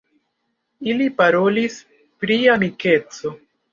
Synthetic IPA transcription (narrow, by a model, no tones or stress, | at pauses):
ilipaɾo̞lis | pɾiamike̞t͡so̞